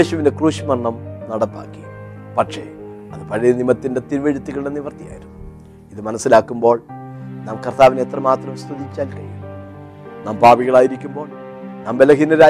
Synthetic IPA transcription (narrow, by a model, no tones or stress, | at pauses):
eːɕuʋindekruːʂimɐrɳːɐmnɐɽɐpːa̰ːkːi̥ | pɐʈʂe̞ | ɐðɨpɐɻɐjɐnimɐt̪ːinde̞t̪iɾʋeɻut̪ːuɣɐɭɽeniʋɐrt̪ija̰ːjiɾum | iðɨmɐnɐsːilaːkːumbo̞ːɭnaːmkɐrt̪aːʋineet̪rɐmaːt̪rɐmst̪uðit͡ɕːaːlkɐjḭ | naːmpaːbiɣɐɭaːjiɾikʲːumbo̞ːɭ | naːmbelɐɦinɐɾaː